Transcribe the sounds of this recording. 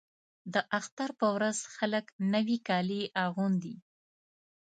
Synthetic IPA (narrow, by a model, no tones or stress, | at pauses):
d̪əʔaxt̪aɾpəwɾazxaləknəwikɑliʔaɣund̪i